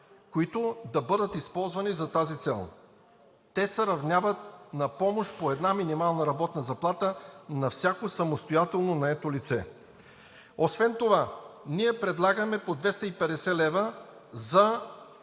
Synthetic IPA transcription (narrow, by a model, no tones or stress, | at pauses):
koit̪od̪ɐbɤd̪ət̪ispɔlˠzvɐnizɐt̪azit̪sɛ̰lˠ | t̪ɛsəɾɐvnʲjavət̪̚nɐpɔmoʃpoɛd̪naminimalˠnɐɾɐbɔt̪nəzɐplˠat̪ənɐfsʲakosɐmost̪ojat̪ɛlˠnonɐɛt̪olit̪sɛ | osvɛnt̪ovaniɛpɾɛd̪lˠaɡəmɛpod̪vɛst̪əipɛd̪ɛsɛlɛvəzɐ